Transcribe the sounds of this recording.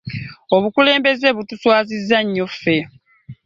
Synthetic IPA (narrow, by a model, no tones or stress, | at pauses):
o̞βukule̞ːmbe̞ze̞βutuswaːzizːaɲːofːe̞